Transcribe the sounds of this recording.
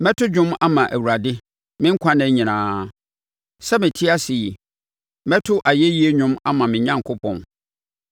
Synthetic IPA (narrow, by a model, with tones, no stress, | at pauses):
mɛ˦tʰʊ˦d͡ʑᶣʊ̃˦ma˦mã˨ʔæ̰˨wu˨ɾa˨dɪ˦ | mɪ̃˦ŋ̩˦kʷʰã˦nɛ̃˦ɲĩ˨nãː˦ | sɛ˦mɪ̃˨tʰɪ˦a˦si˨ji˨ | mɛ˦tʰʊ˦ʔa˨je˦ji˦e˦ɲʊ̃˦ma̰˦mã˨mɪ̃˨ɲã˦ŋkʰʊ˦pʰɔ̰̃˨n